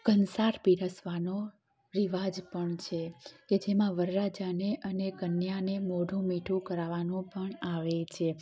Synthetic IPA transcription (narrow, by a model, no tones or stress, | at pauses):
kənsaɾpiɾəsʋano | ɾiʋad͡ʒpəɳt͡ʃʰeked͡ʒemãʋəɾːad͡ʒaneʔənekənjanemoɖʱũmiʈʰũkəɾaʋanũpəɳaʋet͡ʃʰe